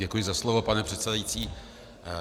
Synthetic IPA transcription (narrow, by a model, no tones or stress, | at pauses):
ɛkujɪzaslovopanɛpr̝̥ɛt̪sɛdajit͡siː